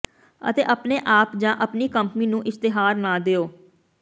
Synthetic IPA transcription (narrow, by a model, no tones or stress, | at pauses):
ə̰t̪ḛːʔəpneːʔaːpd͡ʒãːʔəpniːkəmpniːnũːʔɪst̪eɦaːɾnãːd̪eːoː